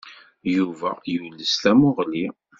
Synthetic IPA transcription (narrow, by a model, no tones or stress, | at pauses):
juvæ̰julːəsθæmʊʁli